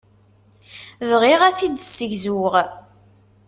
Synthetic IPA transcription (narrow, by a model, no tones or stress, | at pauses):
ðʁiʁæθid̪sːəʝzuʁ